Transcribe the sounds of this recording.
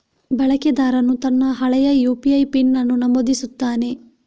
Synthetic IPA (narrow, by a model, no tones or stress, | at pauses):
bɐɭɐked̪aːɾɐnut̪ɐnːɐɦɐɭɐjɐjuːpiɐjpinːɐnːunɐmod̪isut̪ːaːne̞